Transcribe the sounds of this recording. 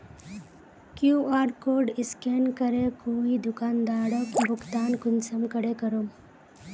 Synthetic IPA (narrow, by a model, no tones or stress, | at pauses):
kjuaːɾkoːɾɖɪskeːnkəɾekoːid̪ʊkaːnd̪aːɽəkbʱʊkt̪aːnkʊnsəmkəɾekɐɾom